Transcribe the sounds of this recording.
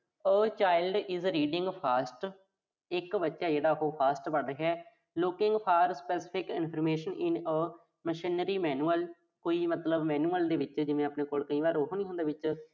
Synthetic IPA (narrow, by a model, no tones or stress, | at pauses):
əːt͡ʃaːɪlɖɪzɾiːɖɪ̃ŋɡpʰaːsʈ | ɪkbətːʃaːd͡ʒeːɽaːɦoːpʰaːsʈbəɽɦɛː | lʊkɪŋɡpʰaːɾspɛːsɪ̥pʰɪkɪ̰npʰəɾmeːʃənɪnəː | məʃɪnəɾiːmɛːnuːəl | koːiːmət̪ləbmɛːnuːəld̪eːʋɪt͡ʃd͡ʒɪʋẽːəpneːkoːlkəĩːbaːɾoɦoːnĩːɦʊ̃nd̪eːʋɪt͡ʃ